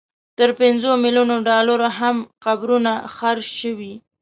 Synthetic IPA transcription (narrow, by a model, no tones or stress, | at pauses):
t̪əɾpɪnzomilunoɖɑlaɾaɦamqabɾunaxaɾʃʃəwi